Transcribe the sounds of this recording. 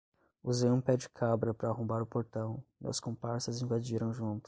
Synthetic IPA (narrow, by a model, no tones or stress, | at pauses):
uzẽũpɛd͡ʒɪkʰabɾɐpɾɐːhõmbaɾʊpoɾt̪ɐ̃w̃ɪɐ̰skõpaɾsɐzĩvad͡ʒiɾɐ̃w̃ʒũnt̪ʊ̥